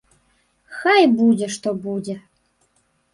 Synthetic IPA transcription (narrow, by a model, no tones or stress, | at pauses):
xajbudʲeʂt̪obudʲe